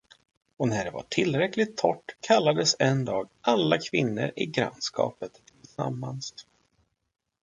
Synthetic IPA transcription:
ɔnæɖɛva̰ʈʰɪlːɾɛklɪt̪ʰːɔʈːkʰalːad̪əsɛnd̪ɑːɡalːakʰvɪnːə̰ɾɪɡɾa̰nskɑ̰ːpət̪t̪ʰːɪlsa̰mːans

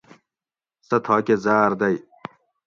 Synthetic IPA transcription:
sɐt̪ʰɑːkʲezaːɾd̪ɐj

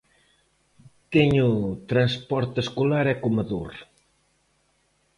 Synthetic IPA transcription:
t̪eɲut̪ɾanspɔɾt̪eskolaɾɛkomɐðuɾ

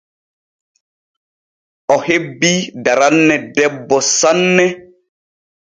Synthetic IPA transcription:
ʔɔhebːidaɾanːɛdɛbːɔsanːɛ

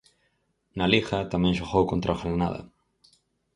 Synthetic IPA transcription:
nalixɐt̪amɛ̃ŋʃoxowkont̪ɾʔaoxalnaðɐ̰

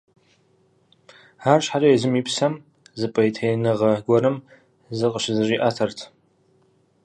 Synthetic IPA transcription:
aːrɕħarɐjɛzɨmiːpsɐm | zɨpʼɐjtʰejnɨʁɐɡʷɔɾɨm | zɨqʼəʃɪzɨʒiːʔaːtʰɐrtʰ

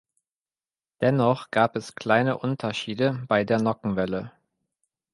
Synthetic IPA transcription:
d̥ɛnɔχɡ̥aːpɛskl̥aɪnəʔʊntʰɐʃiːdəb̥aɪdeːɐnɔkŋ̩vɛlə

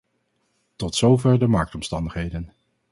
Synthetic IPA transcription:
tɔtsowvɛɹdəmɑɹk̚tɔmstɑndəχɦejdən

